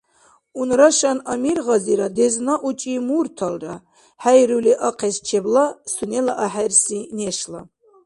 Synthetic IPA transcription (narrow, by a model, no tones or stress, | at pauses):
unɾaʃanamirʁaziɾad̪eznaʔut͡ʃʼimurt̪ʰalra | ħæjɾuliʔaqʰɛst͡ʃʰɛblasunɛlaʔaħærsineʃla